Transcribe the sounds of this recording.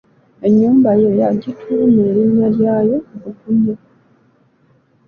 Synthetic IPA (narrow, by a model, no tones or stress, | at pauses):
e̞ɲːuːmbajejaɟitʰumeːɾiɲːaljaːjo̞βukuɲːo